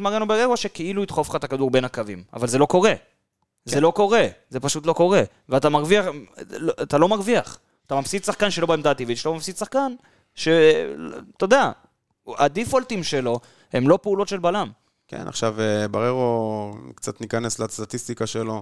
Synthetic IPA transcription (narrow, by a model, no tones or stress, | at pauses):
maʁenobaʁeʁoʃe̞keiluit̪χofχaetakad̪uʁbe̞nakavima̰valze̞lo̞ko̞ʁe̞ | zeloko̞ʁe̞ze̞paʃut̪lo̞ko̞ʁe̞ | veat̪amaʁviaχlat̪alo̞maʁviaχ | at̪amafsidsaχkanʃelo̞baemd̪aːt̪ivit̪ʃelomafsid̪saχkan | ʃe̞ | t̪od̪ea | ad̪ifolt̪imʃe̞lo̞ | e̞mlo̞peulo̞t̪ʃe̞lbalam | kḛna̰χʃavebaʁeʁokt͡sat̪nikanesleast̪at̪ist̪ikaʃelo̞